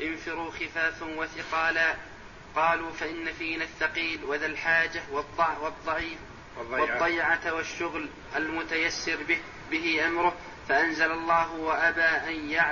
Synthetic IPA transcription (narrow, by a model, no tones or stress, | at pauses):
ʔɪnfɪɾuːxɪfaːfwaθɪqɑːlaː | qɑːluːfaʔɪnːafiːnaθːɑqiːlwaðalħaːd͡ʒawɑd̪ˤːɑwɑd̪ˤːɑʕiː | wɑd̪ˤːɑjʕawaʃːʊɣl | ʔalmʊt̪ajasːɪɾbɪ | bɪɦɪʔamɾʊh | faʔanzalɑlˤːɑːɦʊwaʔabaːʔanjaʕ